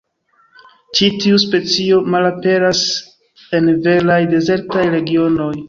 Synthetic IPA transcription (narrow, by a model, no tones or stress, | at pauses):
t͡ʃitiuspe̞t͡sio̞malape̞ɾas | e̞nve̞ɾajde̞ze̞ɾtajɾe̞ɡio̞no̞j